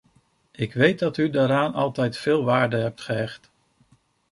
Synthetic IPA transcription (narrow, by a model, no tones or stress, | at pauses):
ɪkʋejt̚dɑtydaːɾaːnɑ̰lˠtɛjtfɪːlˠʋaːɹdəɦɛp̚tχəɦɛχt